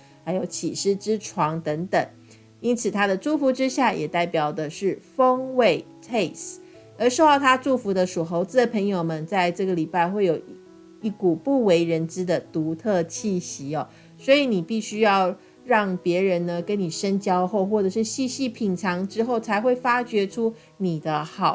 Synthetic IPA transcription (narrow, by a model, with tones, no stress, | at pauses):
xa˧˥ɪjo˧˥ʊt͡ɕʰi˨˩ʂɻ̩˥˩ʈ͡ʂɻ̩˥ʈ͡ʂʰwɑ˧˥ŋt̪ə˧˥ŋt̪ə˨˩ŋ | i˥nt͡sʰɹ̩˨˩t̪ʰa˥d̪ə˨ʈ͡ʂu˥˩fu˧˥ʈ͡ʂɻ̩˥ɕja˥˩jʔɛ˨˩t̪a˥˩ɪpjɑ˨˩ʊd̪ə˨ʂɻ̩˥˩fə˥ŋwe˥˩ɪt̪ʰe˥˩ɪs | ə˧˥ʂ̩˥˧xɑ˥˩t̪ʰa˥ʈ͡ʂu˥˩fu˧˥d̪ə˧ʂu˨˩xo˧˥ʊt͡sɹ̩˥˩d̪ə˩pʰə˧˥ŋjo˨ʊmə˨˦nt͡sa˥˧ɪʈ͡ʂɤ˥˩ɡə˩li˨˩pa˥˧ɪxwe˥˩ɪjo˨˩ʊ | i˥˩ku˨˩pu˥˩we˧˥ɪɻə˧˦˥nʈ͡ʂɻ̩˥d̪ə˨t̪u˧˥˦t̪ʰɤ˥˧t͡ɕʰi˥˩ɕi˧˥ɔ˨˩ | swɔ˧˥i˨˦ni˨˩pi˥˩ɕy˥jɑ˥˧ʊ | ɻɑ˥˩ŋpjɛ˧˥ɻə˧˥nnə˧kə˦˥nni˨˩ʂə˥nt͡ɕjɑ˥ʊxo˥˧ʊxwɔ˥˩ʈ͡ʂɤ˨˩ʂɻ̩˥˧ɕi˥˧ɕi˥˧pʰi˨˩ŋʈ͡ʂʰɑ˧˥ŋʈ͡ʂɻ̩˥xo˥˩ʊt͡sʰa˧˥ɪxwe˥˩ɪfa˥t͡ɕɥɛ˧˥ʈ͡ʂʰu˥ | ni˨˩d̪ə˦xɑ˨˩˦ʊ